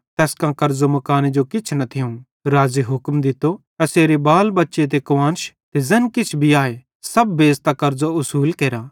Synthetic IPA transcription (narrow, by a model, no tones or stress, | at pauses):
t̪ɛːskãkɐɾzomɐkaːned͡ʒokɪt͡ʃʰnɐt̪ʰɪjõ | ɾaːziɦʊkmd̪ɪt̪ːoɐseːɾebaːlbɐtːʃet̪̬ekʋãːnʃ | t̪ezɐnkɪt͡ʃʰbʱiaːe | sɐbːeːzt̪akɐɾzoʊsuːlkeːɾaː